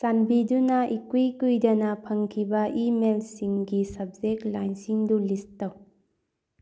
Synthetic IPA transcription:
sanbidunaʔikwikujdɐnapʰɐŋkʰibɐʔimelsiŋɡisɐb̚zeklajnsiŋdulistaw

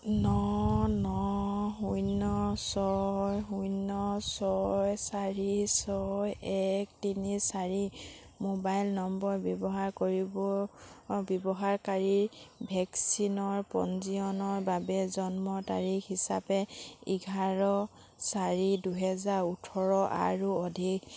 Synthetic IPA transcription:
nɔnɔɦujnɔsɔjɦujnɔsɔjsaɹisɔjɛk̚tinisaɹi | mobajlnɔmbɔɹbjɔbɔɦaɹkoɹibɔ | bɔbɔɦaɹkaɹiɹbʱɛksinɔɹpɔ̰nziɔnɔɹbabɛzɔnmɔta̰ɹixisapɛiɡʱaɹɔ | saɹiduɦɛzaɹutʰɔɹɔʔa̰ɹuɔdʱik

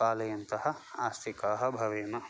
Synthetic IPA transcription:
aːlɐjɐnt̪ɐɦɐ̆aːst̪ʰikaːɦɐ̆bʱɐʋeːnɐ

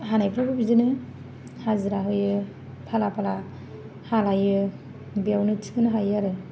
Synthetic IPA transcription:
ɦanajpʰɾabɯbizɯnɯ | hazɯɾaɦɯjɯ | pʰalapʰala | halajɯ | bijawnɯtʰi̥kɯnɯɦajaɾɯ

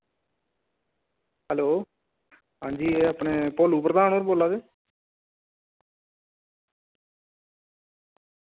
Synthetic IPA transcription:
ɦəloː | ɦãːɲd͡ʒiːɛaːpɳeːpoːluːpɾəd̪aːnoːɾboːlaːd̪eː

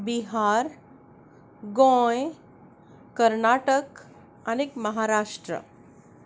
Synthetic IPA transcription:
biɦaɾ | ɡɔ̃j | kəɾnaʈək | ənekməɦaɾaʂʈɾə̰

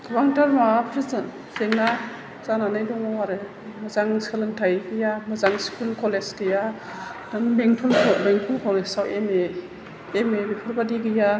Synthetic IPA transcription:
kʰβaŋtaɾmapʰɾiz | seŋna | zananajdɔŋawaɾe | mɐzaŋskʰɯlɯntʰajɡɯjamɐzaŋskulkʰɔleskɯja | daŋbeŋtʰulbeŋtʰulkʰɔlesawʔemeː | mebipʰuɾbadiɡɯja

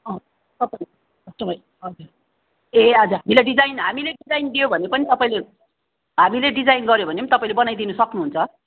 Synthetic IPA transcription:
ʌ | t̪ʌpaĩ | ʌst̪ʌmʌj | ʌd͡zuɾ | eʌd͡zaɦamilaɖid͡zajnɦamileɖid͡zajnd̪ijobʱʌnepʌnit̪ʌpaĩle | ɦamileɖid͡zajnɡʌɾjobʱʌnemit̪ʌpaĩlebʌnajd̪inʌsʌknuɦunt͡sʰʌ

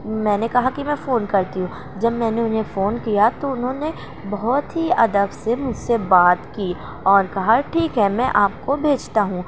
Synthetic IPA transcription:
mɛ̃ːnekɐɦakimɛ̃ːfoːnkɐɾt̪iɦũː | d͡ʒɐbmɛ̃ːneʊnɦẽfoːnkijat̪oʊnɦõːne | bɐɦɔt̪ɦiɐd̪əbsemʊd͡ʒʱsebaːt̪kiː | ɔːɾkɐɦaʈʰiːkɦɛmɛ̃ʔaːp̚kobʱeːd͡ʒt̪aɦũː

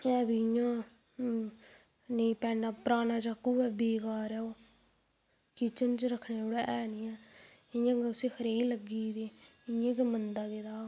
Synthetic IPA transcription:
ɛːbiːɪjãː | nĩːpɛ̃ːnaːpəɾaːnãːd͡ʒaːkuːɛːbeːɡaːɾɛːoː | kiːt͡ʃənt͡ʃɾəkʰːneːoːɽɛːʔɛːnĩːɛːɪjãːɡʊsiːxʰəɾeːiləɡiːd̪eːɪjãːkemənd̪aːɡed̪aː

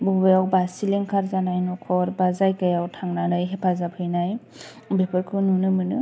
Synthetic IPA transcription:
bɔbejawbasiliŋkʰaɾzanajnɔkʰɔɾbazajkajawtʰaŋnanɯjɦepʰazapʰɯjnaj | bepʰɯɾkʰɯnunɯmɯnɯ

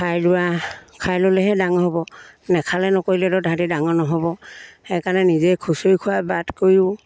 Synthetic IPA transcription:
kʰajlʊwakʰajlolɛɦɛdaŋɔɦobɔ | nɛkʰalɛnɔkojlɛdɔdʱadidaŋɔnɔɦɔbɔhɛjkanɛnizɛjkʰusojkʰʊwabadkoɹjʊ

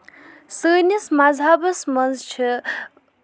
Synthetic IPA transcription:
səːnismad͡zʱabɐsmʌnzt͡ʃʰi

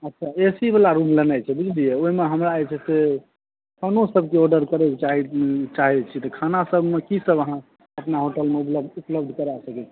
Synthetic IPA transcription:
ətːʃʰaesibelaɾumlənajt͡ʃʰɛbud͡ʒʰliɛoɦimeɦəmɾaːjt͡ʃʰɛse | kʰonosəbʱkeɔɾɖəɾkəɾɛkt͡ʃaɦt͡ʃaɦɛt͡ʃʰit̪ɔkʰanasəbʱmekisəbəɦã | əpnaɦoʈəlmeupləupləbd̪ʱkəɾasəkɛt͡ʃʰɛ̥

